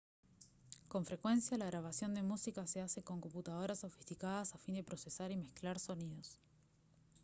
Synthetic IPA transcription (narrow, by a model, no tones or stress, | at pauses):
ko̞ɱfɾe̞kwe̞nsjalaɣɾaβ̞asjo̞nd̪e̞musikase̞ase̞ko̞ŋko̞mput̪að̞o̞ɾaso̞fi̥st̪ikað̞asafind̪e̞pɾo̞se̞saɾimesklaɾso̞niðos